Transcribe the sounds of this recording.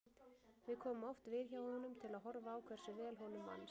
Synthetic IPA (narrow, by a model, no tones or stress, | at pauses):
vɪðkʰɔːmʏmɔwft̪vɪðçaːwhɔnʏmt̪ʰɪlaðɦɔɾvaːwkʰvɛr̥sʏvɛːlɦɔnʏmːa̰nː